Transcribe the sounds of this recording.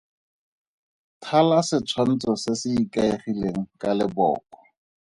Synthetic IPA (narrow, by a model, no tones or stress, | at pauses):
tʰalasɪt͡sʰwan̩t͡sɔsɪsɪikaeχileŋ̩kalɪbɔ̰ːkɔ̥